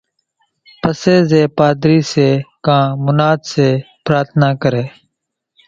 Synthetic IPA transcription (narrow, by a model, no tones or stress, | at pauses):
pəseːzeːpaːd̪ɾiːseːkãːmʊnaːd̪seː | pɾaːt̪ʰnãːkəɾeː